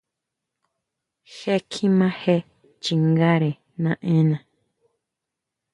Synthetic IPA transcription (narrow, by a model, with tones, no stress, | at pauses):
xe˦kʰi˦mã˦he˦ | t͡ʃi˧ŋɡa˦ɾe˨ | nã˧˦ʔẽ˦nã˨